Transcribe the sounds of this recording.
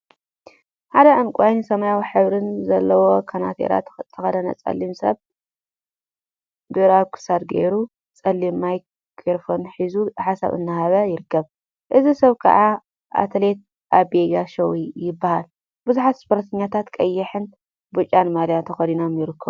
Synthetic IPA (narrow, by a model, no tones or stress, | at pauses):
ħad̪ɐʔɨnkʷʼajnisɐmajawiħɨβɾɨnzɐlːɐwo̞kʰana̰t̪ʰḛɾa̰t̪ʰɨxɐd̪ɐnɐ̰t͡sʼɐ̰lːimsɐ̰β | d̪ɨɾakʰɨ̥sad̪ɡḛjɾu | t͡sʼɐlːimːaj | kʰʼeɾfonħizuħasa̰βɨ̰nːahaβɐjɪɾɨkːɐβ | ʔɨzisɐβkʰɐ̰ʕa | ʔa̰t̪ʰɐlet̪̚ | ʔaβbeɡaʃɐwijɪbːahal | bɨzuħat̪spʰoɾɐt̪ʰɐɲːat̪ʰat̪kʼɐjːɛħɨn | but͡ʃʼːanmaljat̪ʰɐxɐd̪ino̞mjɪɾɨkʰːɐβ